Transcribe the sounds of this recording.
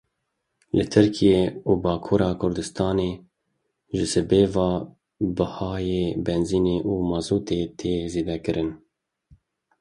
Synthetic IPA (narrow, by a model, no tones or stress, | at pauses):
lɨt̪ʰɨɾkʰijeːuːbɑːkʰuːɾɑːkʰʊɾd̪ɨst̪ɑːneː | ʒɨsɨbeːvɑː | bɨhɑːjeːbɛnziːneːʔuːmɑzuːt̪eːt̪ʰeːzeːd̪ɛkɨɾʔɨn